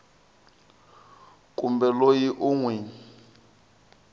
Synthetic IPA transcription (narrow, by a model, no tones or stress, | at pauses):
kʼumbɛlojiʔuŋwɛ